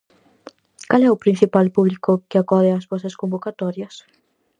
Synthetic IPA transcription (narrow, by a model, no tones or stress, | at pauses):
kalɛʊpɾin̟θipalpuβlikʊkɪakɔðɪazβɔsɐskombokat̪ɔɾjɐs